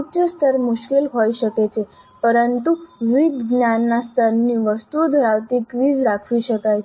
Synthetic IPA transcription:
pt͡ʃəst̪ʰəɾmuɕkilɦojɕəket͡ɕʰe | pəɾənt̪uʋid̪ɡnjanːast̪ʰəɾniːʋəst̪ud̪ʱəɾaʋt̪iːkʋiːd͡zɾakʰʋiɕəkaj

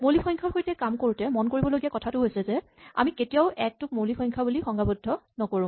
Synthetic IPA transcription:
molipʰɔjŋkʰaɹxojtɛkamkoɹutɛmɔnkoɹibɔloɡijakɔtʰatʊɦojsɛzɛ | a̰miketijaʊʔɛk̚tʊk̚molipʰɔjŋkʰabulixɔŋɡabudʱːɔnɔkoɹũ

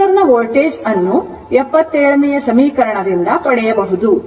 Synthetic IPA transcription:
ɐɾnːɐʋoːlʈeːd͡ʒɐnːu | ɛpːɐt̪ːeːɭɐnijɐsɐmiːkɐɾɐɳɐd̪ind̪ɐpɐɽɛjɐbɐɦud̪u

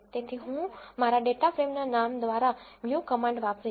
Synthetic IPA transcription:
t̪et̪ʰiɦũmaɾaɖeʈafɾemnanamd̪ʋaɾamjukəmãɳɖʋapɾi

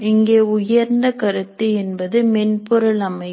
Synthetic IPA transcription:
ɪŋɡeːʊjɐɾnd̪ɐkɐɾɯt̪ːɯɛnbɐðɯmɛnpʊɾɯɭɐmɐɪ

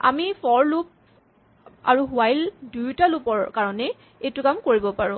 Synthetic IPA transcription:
a̰mifʰɔɹlup̚ | a̰ɹuɦuajldujtalupɔɹkaɹɔnɛ | ejtʊkamkoɹibɔpaɹʊ̃

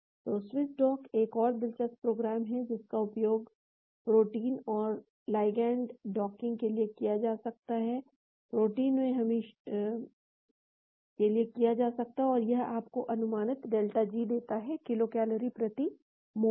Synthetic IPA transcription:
pɾoːsʋɪsɖɔːkeːkɔːɾd̪ɪlt͡ʃəspɾoːɡɾaːmɦɛd͡ʒɪskaʊpjoːɡ | pɾoːʈiːnɔːɾ | laːɪɡɛ̃ːɳɖɖɔːkɪ̃ŋɡkeliekijad͡ʒaːsɐk̚t̪aɦɛ | pɾoːʈiːnmẽɦɐmẽʃ | kelijekijad͡ʒaːsɐk̚t̪aɦɛɔːɾjɐɦaːpkoʔɐnʊmaːnɪt̪ɖeːlʈad͡ʒiːd̪eːt̪aɦɛkɪlokɛːləɾipɾɐt̪i | mo

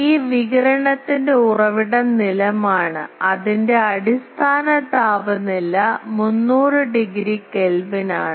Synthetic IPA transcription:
iːʋiɣɐɾɐɳɐt̪ːinde̞urɐʋiɽɐnilɐmaːɳɨɐðinde̞ɐɽist̪ʰaːnɐd̪ʱaːʋɐnilːɐmunːuːrɨɖiɡɾikelʋinaːɳɨ

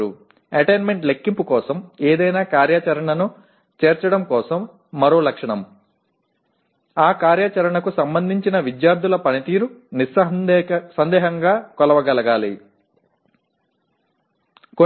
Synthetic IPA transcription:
u | ɐʈeːnme̞ɳʈlekːimpukɔːsɐmeːd̪ɐjnaːkaːɾjat͡ʃɐɾɐɳɐnu | t͡ʃeːɾt͡ʃɐɽɐmkɔːsɐmː | ɐɾo̞ːlɐkʂɐɳɐm | aːkaːɾjat͡ʃɐɾɐɳɐkusɐmbɐnd̪ʱiɲt͡ʃinɐʋid̪jaːɾd̪ʱulɐpɐnit̪iːɾunis | sɐnd̪ɛːɦɐŋɡaːkɔlɐʋɐɡɐlɐɡaːli | ko

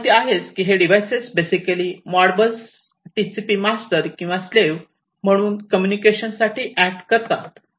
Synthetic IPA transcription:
t̪iaɦet͡skiɦeɖiʋajsesbesikəlimaɽbəs | ʈisipiːmasʈəɾkĩw̃ʋasleʋ | m̤əɽ̃uːnkəmjunikeɕənsaʈʰiːʔæk̚ʈkəɾt̪a̰t̪

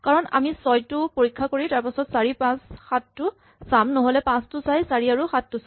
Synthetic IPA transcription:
kaɹɔna̰misɔjtʊpoɹikʰːakoɹitaɹpasɔtsaɹipãsxatːʊ | samnɔɦolɛpãstʊsajsaɹiaɹuxatːʊs

